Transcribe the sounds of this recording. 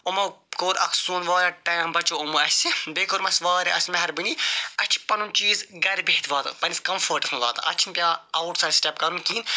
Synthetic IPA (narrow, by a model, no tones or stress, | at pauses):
omɐkoːɾɐkʰsuːnʋaːɾʲɐʈɐːmbɐt͡ʃoumoɐsʲibeːkoɾmɐsʲʋaːɾiɐsʲmɐɦɐɾbɨniɐt͡ʃʰi̥pɐnunt͡ʃiːzɡɐɾbeːt̪ʰʋaːt̪ɐ̰pɐniskɐmfɐːɾʈɐsʰnʋaːt̪ɐ̰ʔɐt͡ʃʰinpʲjaːawʈsaːdsʈɛp̚kɐɾunkiːn